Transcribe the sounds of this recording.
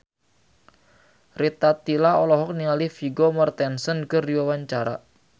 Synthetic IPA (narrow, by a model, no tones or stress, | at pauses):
rit̪at̪ilaɔlɔɦɔk̚niŋalifiɡɔmart̪ɛnsənkərdiwawaɲt͡ʃaɾa̰